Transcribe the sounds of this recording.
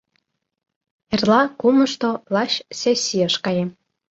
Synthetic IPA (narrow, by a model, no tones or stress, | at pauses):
erlɑkumə̆ʃt̪olɑɕsesʲːiəʃkɑjem